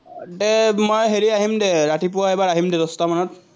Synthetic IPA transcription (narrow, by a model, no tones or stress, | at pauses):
dɛmojɦeɹiaɦimdɛɹatip̬ʊwaɛbaɹaɦimdɛdɔstamanɔt̚